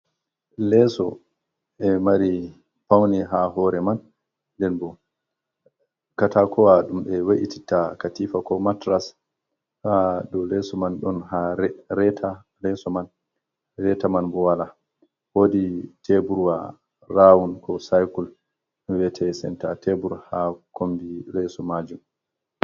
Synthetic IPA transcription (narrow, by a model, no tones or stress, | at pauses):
lɛsɔ̰ | ɛmaɾi | pawniɦaɦɔɾɛman | dɛnbɔ | katakɔwaɗumɓɛwaʔiti̥takatifakɔmatɾas | hadɔlɛsɔmanɗɔnhaɾɛtʰa | lɛsɔman | ɾɛtamanbɔwala | woditʰebuɾwa | rawunkʰɔsajkul | wɛtʰɛsɛ̰ntatʰebuɾhakʰombiɾɛsɔmad͡ʒum